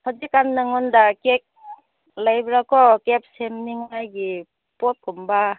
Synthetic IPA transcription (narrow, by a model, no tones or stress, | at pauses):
hɔd͡ʒikanːaŋɔndakek̚ | lajbɾakɔkep̚semniŋnajɡi | pɔt̚kumba